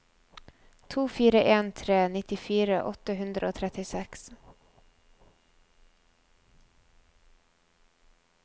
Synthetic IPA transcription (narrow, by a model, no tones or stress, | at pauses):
t̪ʰuːfiːɾəʔeːnt̪ʰɾeːnɪt̪ɪfiːɾəʔɔt̪əhʉnd̪ɾəoːt̪ʰɾɛt̪ɪsɛks